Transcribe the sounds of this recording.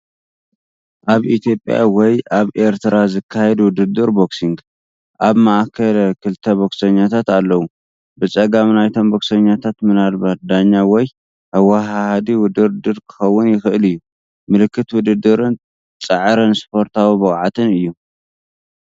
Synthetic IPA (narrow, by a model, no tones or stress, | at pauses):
ʔaβit̪ʰjo̞pʼja̰wɔjʔaβʔe̞ɾt̪ʰɨɾazɨkʰːahɛd̪wʊd̪ɨd̪ɨɾboksiŋɡ | ʔaβmaʔakʰːɐlɐkʰɨlt̪ʰɐboksɐɲːat̪ʰat̪alːɐwu | bɨt͡sʼɐɡamnajt̪ʰomboksɐɲːat̪ʰat̪mɨnalbad̪aɲːawɔj | hawːaɦahad̪iwʊd̪ɨɾd̪ɨɾkʰɨ̥xɐwːʊnjɪxɨʔɨlɨjːu | mɨlɨkːɨt̪wʊd̪ɨd̪ɨɾɨn | t͡sʼɐʕɾɨnspʰo̞ɾt̪ʰawibɨkʼʕat̪ʰɨnɨjːu